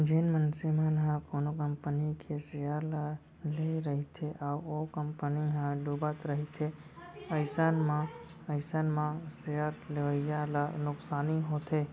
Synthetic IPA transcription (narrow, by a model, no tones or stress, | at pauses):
d͡ʒenmənsimãnɦãkonokəmpənikʰesejaɾlə | leɾəɦit̪ʰeʔaʋokəmpəniɦãɖubat̪ɾəɦit̪ʰe | əɪsaːnmã | əjsanmãsejəɾleʋəijalənʊksaːniɦot̪ʰe